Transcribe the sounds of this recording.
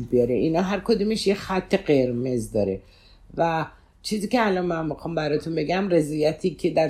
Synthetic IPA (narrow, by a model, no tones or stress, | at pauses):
bijɒɾeʔinɒːɦæɾkʰod̪uːmeʃjexæt̪ʰːe̞ɢeɾmezd̪ɒːɾe | væ | t͡ʃʰiːziːcʲeælɒnmænmixɒːmbæɾɒːt̪ʰunbe̞ɡæmɾezɒjæt̪ʰiːcʰed̪æɾ